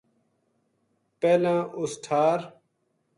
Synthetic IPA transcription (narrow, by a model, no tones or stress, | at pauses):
peːlãːʔusʈʰaːɾ